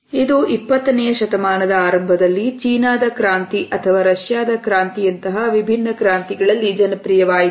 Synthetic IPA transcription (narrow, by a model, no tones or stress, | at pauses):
id̪uʔipːɐt̪ːɐnɛjɐʃɐt̪ɐmaːnɐd̪ɐaːɾɐmbʱɐd̪ɐlːit͡ʃiːnaːd̪ɐkɾaːnt̪iʔɐt̪ʰɐʋaːɾɐʂjaːd̪ɐkɾaːnt̪ijɐnt̪ɐɦɐʋibʱinːɐkɾaːnt̪iɡɐɭɐlːid͡ʒɐnɐpɾijɐʋaːjit̪u